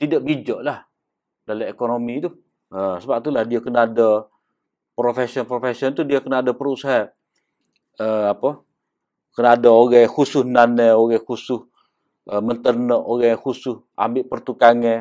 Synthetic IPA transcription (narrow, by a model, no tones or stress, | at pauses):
t̪idaʔbid͡ʒoʔlah | daləmekonomit̪u | əsəbap̚t̪ulahdiakənaadə | pɾofesɔnpɾofesiɔnt̪udiakənaadapəɾusaɦa | əapə | kənaːdaoɣɛhusʊhnaneoɣɛkusʊh | əmənt̪ərnəʔoɣɛkusʊs | a̰mbɪʔpərt̪ukaŋɛ